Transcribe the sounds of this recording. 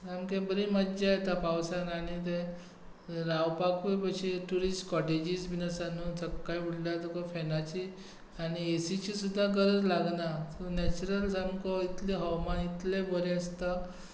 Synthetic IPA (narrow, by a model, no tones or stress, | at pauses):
amkẽbəɾĩməd͡ʑajet̪apawsanañit̪̬e | ɾawpakupəɕeʈuɾisʈkɔʈed͡ʑisbinasanunsəkːajuɽlat̪ukɔfɛnat͡ɕi | aɽiesit͡ɕisud̪ʱːaɡəɾəd͡zlaɡnat̪onɛt͡ɕuɾəlsamkɔit̪liɦəwmanit̪lebəɾeəst̪a